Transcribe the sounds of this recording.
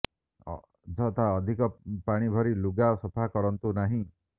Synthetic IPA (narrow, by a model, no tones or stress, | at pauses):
d͡ʒɔt̪aɔd̪ʱikɔpaɽ̃ibʱɔɾiluɡaosɔpʰakɔɾɔnt̪unaɦĩ